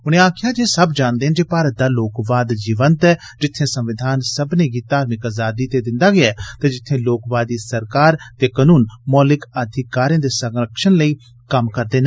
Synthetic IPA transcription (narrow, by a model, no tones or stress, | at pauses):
ʊñẽːaːkʰɪjaːd͡ʒeːsəbd͡ʒãːnd̪eːɦɛnd͡ʒeːpaːɾət̪̚d̪aːloːkʋaːd̪d͡ʒiːʋənt̪ɛː | d͡ʒɪt̪ʰːẽːsə̃mʋɪd̪ʱaːnsəbneːɡiːt̪aːɾmɪkaːzaːd̪iːt̪ed̪ɪ̃nd̪aːɡɪat̪ed͡ʒɪt̪ʰːẽːloːkʋaːd̪iːsəɾkaːɾt̪eːkənuːnmɔːlɪkəd̪ʱɪkaːɾẽːd̪eːsəŋɾəkʃənləiː | kəmkəɾd̪eːn